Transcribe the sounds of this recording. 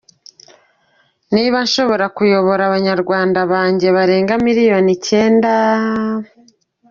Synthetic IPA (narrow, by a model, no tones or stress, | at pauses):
niβanʃo̞βo̞ɾakujo̞βo̞ɾaβaɲaɾɡwaːndaβaːɲɟe̞βaɾe̞ːŋɡamiɾijo̞nice̞ːnda